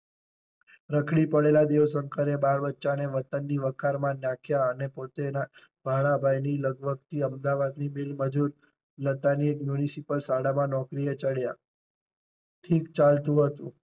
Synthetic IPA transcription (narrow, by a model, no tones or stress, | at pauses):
ɾəkʰɭipəɽelad̪eʋsəŋkəɾebaɭbətːʃaneʋət̪ənːiʋəkʰaɾmãnjãkʰjaənepot̪ena | bʱaɭ̃abʱajniləɡbʱəɡt̪ʰiəmd̪aʋad̪nimilməd͡ʒuɾ | lət̪aniekmjunisipəlsaɽamãnɔkɾijet͡ʃəɽja | ʈʰikt͡ʃalt̪ũɦət̪ũ